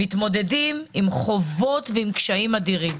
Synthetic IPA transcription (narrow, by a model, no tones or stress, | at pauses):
it̪mo̞de̞dimimχovo̞t̪veimkʃaimadiʁim